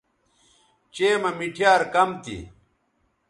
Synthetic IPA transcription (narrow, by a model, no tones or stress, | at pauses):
t͡ɕeːmɐmiʈʰjaːɾkɐmt̪ḭ